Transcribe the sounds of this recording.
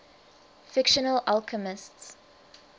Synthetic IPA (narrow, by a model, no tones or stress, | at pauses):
fɪkʃənəlalkʰəmɪsts